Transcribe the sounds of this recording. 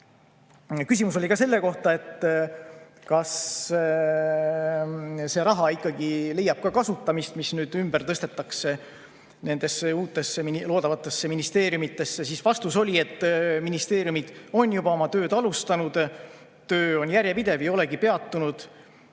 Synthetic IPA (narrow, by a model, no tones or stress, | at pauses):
kysʲimuso̞likɑse̞lːe̞ko̞ht̪ɑet̪ː | kɑs | se̞ɾɑɦɑikːˑɑɡile̞jɑb̥kɑkɑsut̪ːˑɑmist̪misnyːd̪̥ymb̥ert̪ɤst̪e̞t̪ːˑɑkse̞ | ne̞nd̪̥e̞sːeuːt̪ːˑe̞sːeminlo̞ːd̪ɑvɑt̪ːˑe̞sːe̞minist̪e̞ːɾjumit̪ːˑe̞sːesisvɑst̪uso̞lʲie̞t̪ːˑminist̪e̞ːɾjumid̪̥o̞njubɑo̞mɑt̪ø̞ːd̪ɑlust̪ɑnud̪̥ | t̪ø̞ːo̞njæɾʲjepid̪e̞vejo̞leɡ̥ipe̞ɑt̪ːunud̪̥